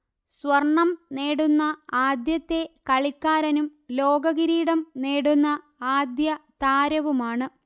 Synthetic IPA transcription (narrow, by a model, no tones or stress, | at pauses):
swɐrɳːɐmneːɽunːɐaːd̪jɐt̪ːe̞kɐɭikːaːɾɐnumlo̞ːɡɐɣiɾiːɽɐmneːɽunːɐ | aːd̪jɐt̪aːɾɐʋumaːɳɨ